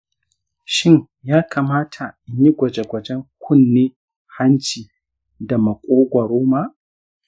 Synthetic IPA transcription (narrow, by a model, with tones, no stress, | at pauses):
ʃɪ˦˨ɲ | jaː˦kʰaː˨maː˦tʰa˨ɪ˨ɲi˦ɡʷɐ˨d͡ʒe˨ɡʷɐ˨d͡ʒɛ˦ŋkʷʰʊ˦nːeː˦ | ha˦nt͡ʃiː˨ | da˨mɐ˨kʷʼoː˦ɡʷɐ˨ɾoː˦maː˦ʔ